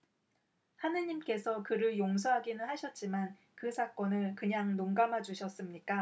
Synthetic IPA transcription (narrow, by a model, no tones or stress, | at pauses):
hanɯɲimk͈e̞sʰʌkɯɾɯɭjoŋs̬ʰʌɦaɡinɯɭɦaɕʰʌt̚t͡ɕ͈iman | kɯsʰak͈ʌnɯɭkɯɲaŋnonɡamɦad͡ʑuɕʰʌs͈ɯmɲik͈a